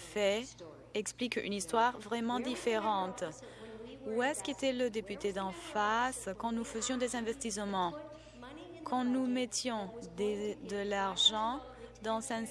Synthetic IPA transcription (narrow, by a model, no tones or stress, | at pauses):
fɛ | ɛkspliky̰nist̪waʁvʁɛmɑ̃d̪ifeʁɑ̃t̪ | uɛsket̪ɛləd̪epyt̪ed̪ɑ̃faskɑ̃nufəzjɔ̃d̪ezɛ̃vɛst̪ismɑ̃ | kʰɑ̃numɛt̪jɔ̃d̪ed̪əlaʁʒɑ̃ | d̪ɑ̃sɛ̃